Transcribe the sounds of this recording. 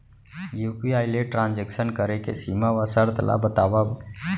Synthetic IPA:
juːpiaːɪleʈɾãːnd͡ʒekʃənkəɾekḛsiːmaʋasəɾt̪la̰bət̪aːʋab

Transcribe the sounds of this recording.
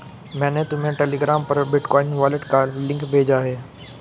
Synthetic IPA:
mɛ̃ːnẽt̪ʊm̤ẽʈeːleːɡɾaːmpɐɾbɪʈkɔːɪnʋaːlɪʈkalɪ̃ŋkbʱeːd͡ʒaɦeː

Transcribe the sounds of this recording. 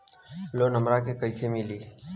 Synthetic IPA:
lonəmɾakekəjsemili

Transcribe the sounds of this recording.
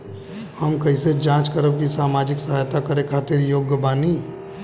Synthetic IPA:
həmkɐɦised͡ʒãːt͡ʃkəɾəb̚kisaːmaːd͡ʒɪksəɦaːjt̪akəɾekʰaːt̪ɪɾjoːɡjəbaːniː

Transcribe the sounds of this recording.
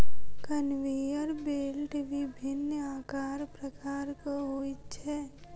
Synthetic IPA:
kənʋeːjəɾbeːlʈʋibʱɪnːaːkaːɾpɾəkaːɾkoɦoːit͡ʃʰɛː

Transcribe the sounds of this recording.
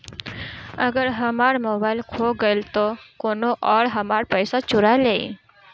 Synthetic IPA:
əɡəɾɦəmaːɽmoːbaːilkʰoɡəilt̪okonoʔɔːɽɦəmaɽpəjsat͡ʃʊɾajleḭ

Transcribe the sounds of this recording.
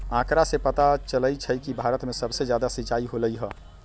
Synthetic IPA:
ãkɾasepət̪at͡ʃələt͡ʃʰəjkibʱaɾət̪mesəbsed͡ʒjad̪asit͡ʃaiɦoləjɦə

